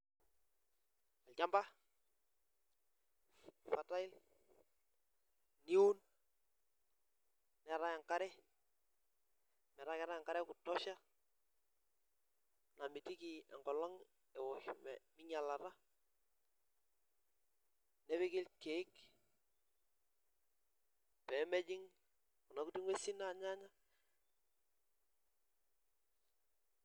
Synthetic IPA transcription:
a˨lca˦mba˦ | fa˨ta˦ɪ˦l | ni˦u˦n | nɛ˨ɾa˦ja˨ŋka˦ɾɛ˦ | mɛ˨ɾa˦kɛ˨ɾa˦a˨ŋka˦ɾɛ˦kʊ˨tɔ˦ʃa˦ | na˨mɪ˨ti˦ki˨ɛ̰˨ŋɡɔ˨lɔ˦ŋ | ɛ˨wɔ˨hmɛ˨mɪ˦ɲa˨la˨ɾa˦ | nɛ˦βɪ˦kɪ˦lke˨ɪ˦k | pɛ˨˦mɛ˦d͡ʒɪ˦ŋ | ku˨na˨ku˦ti˦ŋwe˦si˦na˦˨ɲa˦ɲa˦

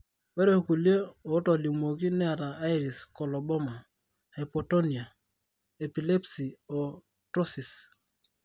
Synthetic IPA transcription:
we˦ɾe˦ku˨lje˦o˨˦tɔ˨li˨mo˨ki˦nɛ˦a˨ɾaː˨˦jɾi˨skɔ˨lɔ˨bɔ˦ma˨ | he˨pɔ˨to˦ni˨a˨ | e˨pi˨le˦psi˨ɔ˨ | tɾo˦si˨s

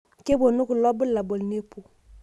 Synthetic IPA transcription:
ke˦bo˨nu˦ku˨lɔ˦bə˦la˨bo˨lne˦pu˨

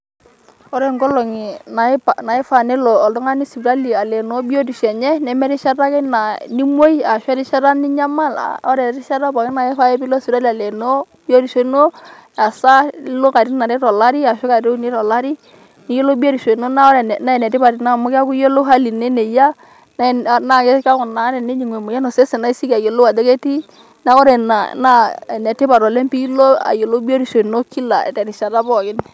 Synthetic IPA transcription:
ɔ˦ɾɛ˨ŋɡɔ˦lɔ˨ŋi˨na˨˦pana˨i˦fa˨nɛ˦lɔ˨ɔ˨ldɔ˦ŋa˦ni˦su˨ɾa˦li˨a˨lɛ˨no˦bi˦o˦di˨ʃɛ˨ɲɛ˦nɛ˨mɛ˦ɾi˦ʃa˦ɾa˦kɛ˦na˨ni˦mo˦i˦a˨ʃɛ˦ɾi˦ʃa˦ɾa˦ni˦ɲa˦ma˦˨la̰˨ɔ˦ɾɛ˨ɾi˦ʃa˦ɾa˦pa˨ki˦na˨ɛ˦fa˦jɛ˦pi˦lɔ˦su˨ɾa˦li˨a˨lɛ˨no˦ | bi˦o˦ɾi˨so˦no˦ | a˨sa˦lo˦ka˨ɾi˦na˨ɾɛ˦ɾɔ˨la˦ɾi˦a˨ʃɔ˦ka˨ɾɛ˦ni˦ɾɔ˨la˦ɾi˦ | ni˦jo˦lo˦bo˦ɾi˨ʃo˨no˦na˦ɔ˦ɾɛ˨na˦ɛ˨nɛ˨ti˦ba˨ɾi˨na˦˨mʊ˦ka˦ku˦jo˦lo˦ɦa˦li˨ne˦ne˨ja˦ | na˦˨na˦˨kɛ˦ka˦ŋʊ˨na˨˦nɛ˨ne˦ɲi˨ŋe˨mʊ˨ja˦no˨sɛ˦sɛ˨na˦i˦si˦ka˨jo˨lo˦wa˨dɛ˦ke˦ti˦ | na˦kɔ˦ɾɛ˨na˨na˦˨nɛ˨tɪ˦ba˨ɾɔ˨lɛ˦mpi˦lo˦a̰˨jo˨lo˦bo˦ɾi˨ʃo˨no˦ki˦la̰˨tɛ˨ɾi˨ʃa˨ɾa˦bɔ˨kɪ˦n

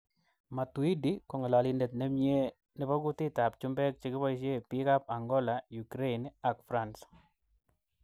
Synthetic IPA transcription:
ma˨tu˨i˦di˦kɔ˨ŋɛ˨la˨li˨ndɛ˨t̪̚nɛ˦mje˦ | nɪ˦bɔ˦ɡʊ˦tɪ˦ta˨p̚t͡ʃu˦mbɛ˦k̚t͡ʃɪ˦kɪ˦bɔ˦i˦ʃ̬e˦pi˦ka˦p̚a˨ŋɡɔ˦la˨ju˨kɾe˦ina˨kfɾa˨ns

